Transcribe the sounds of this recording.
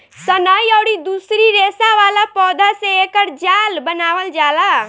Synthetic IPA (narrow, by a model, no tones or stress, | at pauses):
sənaːiɔːɽid̪uːsɾiɾeːsaʋaːlapɔːd̪aseeːkəɾd͡ʒaːlbənaːʋəld͡ʒaːlaː